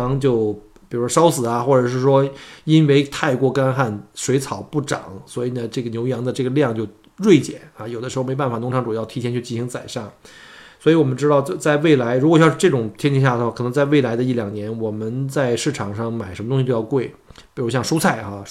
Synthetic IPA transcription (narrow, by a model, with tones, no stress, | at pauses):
ŋt͡ɕjo˥˧ʊ | pi˨˩ɻu˩˥wɔ˥ʂɑ˥ʊsɹ̩˨˩ɐ˧xwɔ˥˩ʈ͡ʂɤ˨˩ʂɻ̩˥˩ʂwɔ˥i˥nwe˥ɪt̪ʰa˥˧ɪkwɔ˥˩ka˥nxa˥˩nʂwe˧˥ɪt͡sʰɑ˨˩ʊpu˥˩ʈ͡ʂɑ̰˨˩˦ŋswɔ˧˥i˨˩nə˦ʈ͡ʂɤ˥˩ɡə˩njo˧˥ʊjɑ˧˥ŋd̪ə˧ʈ͡ʂɤ˥˩ɡə˩ljɑ˥˧ŋt͡ɕjo˥˧ʊ | ɻwe˥˩ɪt͡ɕjɛ̰˨˩˦na˥˧jo˨˩d̪ə˦ʂɻ̩˧˥˧me˥pa˥˩nfa˨˩nʊ˧˥ŋʈ͡ʂʰɑ˧˥ŋʈ͡ʂu˨˩jɑ˥˩ʊt̪ʰi˧˥t̪ʰɛ˥nt͡ɕʰy˥˧t͡ɕi˥˩ɕi˧˥ŋt͡sa˨˩ɪʂa˥˩ŋswɔ˧˥i˧˥wɔ˨˩mə˦nʈ͡ʂɻ̩˥ɑ˥˧ʊt͡ɕt͡sa˥˧ɪwe˥˩ɪla˧˥ɪɻu˧˥kɔ˨˩jʈ͡ʂɤ˥˩ʈ͡ʂʊ˨˩ŋt̪ʰjɛ˥nt͡ɕʰi˧˥ɕ̬ja˥˩də˩xwa˥˩kʰɤ˨˩nɤ˧˥ŋt͡sa˥˧ɪwe˥˩ɪla˧˥ɪd̪ə˧i˥˩ljɑ˨˩ŋnjɛ˧˥nwɔ˨˩mə˦nt͡sa˥˧ɪʂɻ̩˥˩ʈ͡ʂʰɑ˨˩ŋʂɑ˥˩ŋma˨˩ɪʂə˧˥mə˩ʊ˥ŋɕi˧t̪o˥˧jkwe˥˩ɪpi˨˩ɻu˧˥ɕjɑ˥˧ŋʂu˥t͡sʰa˥˩ɪxa˧˩